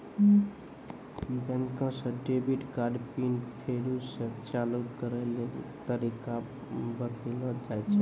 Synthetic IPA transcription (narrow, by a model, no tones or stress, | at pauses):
bə̃ŋkə̃sə̃ɖebiʈkaɖpinpʰeɾusə̃t͡ʃalut̪kəɾɛlelt̪əɾika | bəɾt̪iləd͡ʒajt͡ʃʰɛ